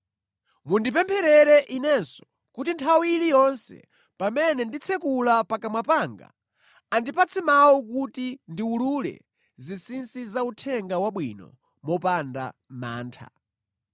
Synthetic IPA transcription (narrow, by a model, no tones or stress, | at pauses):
mundipɛmpʰɛɾɛɾɛʔinɛnsɔ̥ | kutintʰawilijɔnsɛ̰ | pamɛnɛndit͡sʰɛkulapakamwapaŋɡa̰ | andipat͡sʰɛmawuk̬utindiululɛ̰ | zisinsizautʰɛŋɡawaɓwinɔ̰ | mɔpanda̰ma̰ːntʰa̰